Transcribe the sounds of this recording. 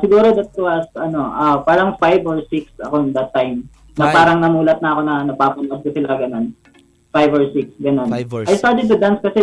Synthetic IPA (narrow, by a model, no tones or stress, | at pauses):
sɪɡuːɾod̪ɐt̪̚ʊwɐsʔɐno̞ʔɐpaːɾɐŋfajvoɹsɪksɐko̞d̪ɐt̪ːajm | nɐpaːɾɐŋnɐmuːlɐt̪̚nɐɐko̞nɐnɐɡ̚paːpɐlʔɐskɐsɪlaɡɐno̞n | fajvoɹsɪksɡɐno̞nʔɐjst̪aɹt̪ɛd̪̚t̪ʊd̪anskɐsɛ